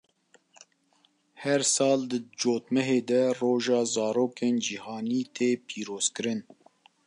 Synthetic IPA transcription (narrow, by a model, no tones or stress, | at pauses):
hɛɾsɑːld̪ɨd͡ʒoːt̪mɛɦeːd̪ɛroːʒɑːzɑːɾoːkeːnd͡ʒihɑːniːt̪ʰeːpʰiːɾoːz̥kɨɾɨn